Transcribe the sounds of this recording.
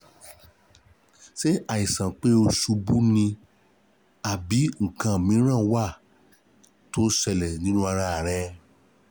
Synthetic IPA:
ʃe˦ʔa˨i˨sã˨k͡pe˦o˧su˧bu˦nĩ˧ | a˨bi˨˦ŋ̩˨kã˨mĩ˨˦ɾ̃ã˦˨˦wa˦˨ | to˦sɛ˧lɛ˨nĩ˨˦nũ˦a˧ɾ̃ã˧˨ɾ̃ɛ̃˧

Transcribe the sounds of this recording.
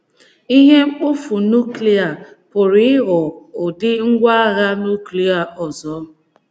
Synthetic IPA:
i˦ɦe˦ŋ͡m̩˦k͡pʊ˦fu˨nu˦kli˨a˨ | pʊ˨ɾi˦ɪ˦ɣɔ˨o˨dɪ˦ŋ̩˦ɡʷa˦a˦ɣa˦nu˦kli˨a˨ʔɔ˨zɔ˨˦

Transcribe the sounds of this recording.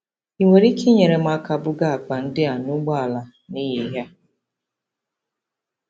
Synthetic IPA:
i˨ŋʷe˨ɾi˦kʰe˦ɲe˨ɾe˨m̩˦a˦ka˦bʊ˦ɡa˦a˨k͡pa˨n̩˦dɪ˦a˨nʊ˦ɡ͡ba˦a˨la˨ | ni˦ɦe˨ɦa˦

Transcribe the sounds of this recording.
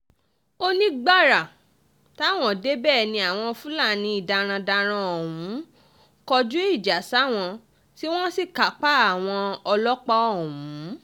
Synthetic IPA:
o˦nĩ˦ɡ͡ba˦˨ɾa˨ | ta˦˨w̃ɔ̃˧˨de˦bɛː˦˨nĩ˧a˨w̃ɔ̃˧fũ˦la˦˨nĩ˧˦i˦˨da˧ɾ̃ã˧da˧ɾ̃ã˧ɔ˨wũ˨˦ | kɔ˧d͡ʒu˦i˦˨d͡ʒa˨˦sa˦˨w̃ɔ̃˧ | ti˦w̃ɔ̃˦si˦˨ka˨˦k͡pa˦a˦˨w̃ɔ̃˧ɔ˧lɔ˦k͡pa˦ɔ˦˨wũ˨˦

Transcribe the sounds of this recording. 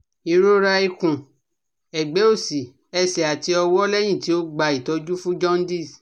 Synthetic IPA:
i˧ɾo˦ɾa˧i˦˧kũ˨ | ɛ˨ɡ͡be˨˦o˦˨si˨ | ɛ˧sɛ˨a˨ti˨˦ɔ˧wɔ˦lɛ˦j̃ĩ˦˨ti˨˦o˦ɡ͡ba˧i˨tɔ˨˦d͡ʒu˦fũ˦d͡ʒɔ̃˦n˦di˦˨s

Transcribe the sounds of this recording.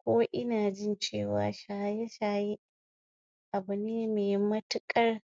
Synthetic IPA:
kʷoː˦ʔɪ˦naː˨d͡ʒɪ˦˨nt͡ʃeː˦˨wa̰ː˨˦ʃaː˨jɐ˦ʃaː˨ji˦ | ʔa˨bʊ˨neː˦meː˨mɐ˦tʊ˦kʼɐ˦r

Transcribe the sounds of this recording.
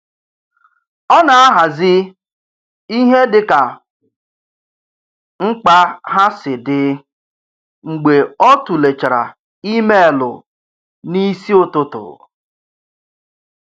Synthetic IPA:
ɔ˦na˨a˦ɦa˨zɪ˦ | i˦ɦe˦dɪ˨ka˨ | ŋ͡m̩˦k͡pa˦ɦa˦sɪ˨dɪ˨ | ŋ͡m̩˨ɡ͡be˨ɔ˦tu˨le˨t͡ʃa˨ɾa̰˨ | i˦me˦e˨lʊ̰˨ | ni˦si˦ʊ˨tʊ˦tʊ̰˨

